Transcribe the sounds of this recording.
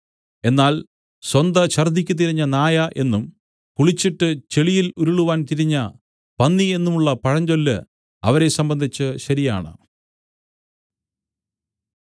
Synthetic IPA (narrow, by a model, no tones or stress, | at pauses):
e̞nːaːl | swɐnd̪ɐɕɐrd̪ʱːikʲːut̪̬iɾiɲːɐnaːjɐʔe̞nːum | kuɭit͡ɕːiʈːɨt͡ɕe̞ɭijiluɾuɭuʋaːnt̪iɾiɲːɐ | pɐnːie̞nːumuɭːɐpɐɻɐɲd͡ʑo̞lːɨ̰ | ɐ̰ʋɐɾe̞sɐmbɐnd̪ʱit͡ɕːɨɕɐɾija̰ːɳɨ̰